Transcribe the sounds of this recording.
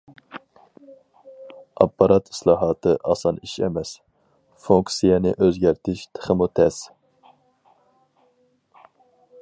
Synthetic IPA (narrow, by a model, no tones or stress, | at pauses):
ɑ̰pːɑɾɑt̪ʰi̥slˠɑːɦɑːt̪ʰɨʔɑsɑniʃɛ̰mɛs | fuŋksijɛnɪʔøzɡʲæɾt̪ʰɪʃt̪ʰə̥χəmut̪ʰɛs